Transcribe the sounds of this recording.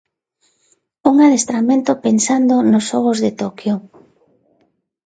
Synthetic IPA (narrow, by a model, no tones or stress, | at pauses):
uŋaðest̪ɾamẽnt̪opensand̪onosɔɣ̞ozðet̪okjo